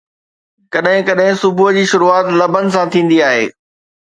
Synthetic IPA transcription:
kɐɗɦɪ̃kɐɗɦɪ̃sʊbʊɦd͡ʑiːʃʊɾuaːt̪lɐbʱənɪ̆s̬ãt̪ʰĩːn̆d̪iaːɦḛː

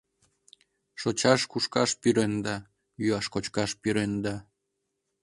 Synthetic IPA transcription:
ʃot͡ɕɑʃkuʃkɑʃpyɾend̪ɑ | jyɑʃkot͡ɕkɑʃpyɾend̪ɑ

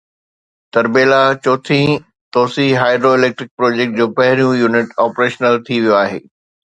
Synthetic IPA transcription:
t̪ɐɾbeːlat͡ɕoːt̪ʰĩ | t̪oːsiɦaːɪɖɾoːɪleːk̚ʈɾɪk̚pɾoːd͡ʑeːk̚ʈ̚d͡ʑoːpɐɦɪɾijũjuːnɪʈɔːpɾeːʃnəlt̪ʰiʋijoaːɦḛː

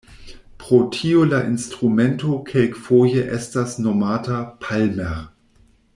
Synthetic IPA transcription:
pʁotʰiolaʔinstʁumɛntokʰelkfojəʔɛstasnomaːtapʰalmɛʁ

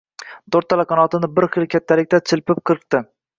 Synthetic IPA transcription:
t̪ʰoɾt̪ʰːalaqɑnɒt̪ɪnɪbɪɾχɨlˠkʲʰat̪ʰːalɪk̚ʲt̪ʰat͡ʃʰɪlpɪp̚qʰɨɾɨq̚t̪ɪ

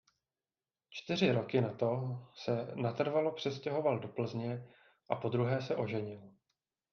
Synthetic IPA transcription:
t͡ʃt̪ɪr̝ɪɾo̞kɪnat̪o̞sɛnat̪r̩valo̞pr̝̥ɛscɛɦo̞valdo̞pl̩zɲɛ | ʔapo̞d̪ɾuɦɛːsɛʔo̞ʒɛɲɪl

